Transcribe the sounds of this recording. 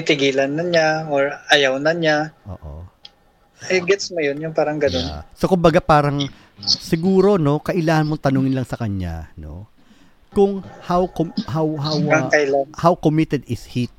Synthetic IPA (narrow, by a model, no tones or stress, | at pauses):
ɪt̪ɪɡiːlɐnːɐɲaoɹajawnɐɲaʔo̰ːʔo̰ | ʔɛɡɛt̪smojonjʊŋpaːɾɐŋɡɐnonsokʊmbɐɡapaːɾɐŋ | sɪɡuːɾo̞no̞kɐʔɪlaːhɐnmoŋt̪ɐnoːŋɪnlɐŋsɐkɐɲa̰no̞̰ | kʊŋhawkohawhawaŋkɐɪlahawkomɪt̪ɛd̪ɪshit̪̚